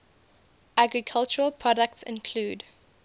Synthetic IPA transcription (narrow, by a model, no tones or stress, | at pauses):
ʔaɡɹikʰalt͡ʃəɹəlˠpʰɹɔdək̚tsɪ̰̃nkʰl̥uːd